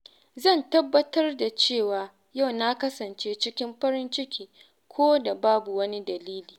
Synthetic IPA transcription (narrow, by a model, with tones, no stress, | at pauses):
zɐ˦˨ntɐ˦bːɐ˦tɐ˦rda˨t͡ʃeː˦˨waː˨ | ja˦˨wna˦kɐ˦sɐ˨nt͡ʃeː˦t͡ʃɪ˦kʲɪ˦mɸɐ˦ɾɪ˦nt͡ʃɪ˦kʲʰiː˨ | kʷʰoː˦da˨baː˦bu˨wɐ˦ni˦dɐ˨liː˦liː˨